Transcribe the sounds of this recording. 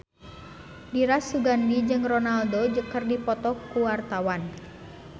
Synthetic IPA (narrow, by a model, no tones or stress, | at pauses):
diɾasːuɡandid͡ʒɨŋrɔnaldod͡ʒəkərdipɔt̪ɔkuwart̪awan